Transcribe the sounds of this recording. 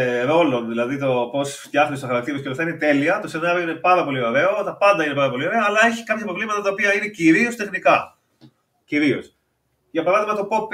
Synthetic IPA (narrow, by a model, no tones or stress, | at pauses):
ɾo̞lonðilɐðit̪o̞po̞st̪çɐxnist̪xɐɾɐkt̪iɾvskolot̪ɐinet̪e̞liɐt̪o̞se̞nɐɾioine̞pɐɾɐpo̞lioɾe̞o̞t̪ɐpɐnd̪ɐinepɐɾɐpo̞lio̞ɾe̞ɐːlɐe̞çi̥kɐpçɐpɾo̞vlimɐt̪ɐt̪ɐopiɐine̞ciɾiost̪e̞xnikɐ | ciɾio̞̰s | ʝɐpɐɾɐðimɐnɐt̪o̞po̞p